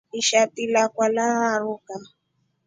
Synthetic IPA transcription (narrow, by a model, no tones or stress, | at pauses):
iʃatilakwalaaɾuka